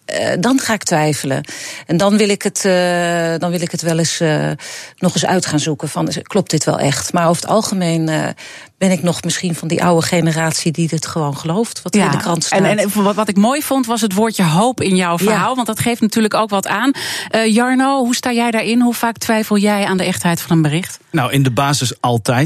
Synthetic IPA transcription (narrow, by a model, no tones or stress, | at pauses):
dɑnχaːɪk̚tʋɛjfələ̰ɛndɑnʋɪlˠɪkət | dɑnʋɪlˠɪkətʋɛlˠɪs | nɔχɪsœ̰ɥtχaːnzukəfɑnklɔp̚tdɪtʋɛ̰lˠʔɛ̰χtmaːɹofə̥tɑ̰lˠχəmejn̰ | b̥ɛnɪknɔχmɪsχinvɑndḭʔa̰wəχejnəraːtsididɪtχəʋownχəlowftʋɑtdəkrɑntsnɛnʋɑtɪkmoːjfontʋɑs̬ətʋoːɹtjəɦowpɪnjɔwfəɹɦaːlˠʋɑntdɑtχejftnatyːɹləkowkʋɑtaːnʔjɑɹnowɦustaːjɛjdaːɹɪnɦufaːk̚tʋɛjfəlˠjɛjaːndəʔɛχtɦɛjtfɑnənbərɪχtnawɪndəbaːzɪsɑlˠtɛj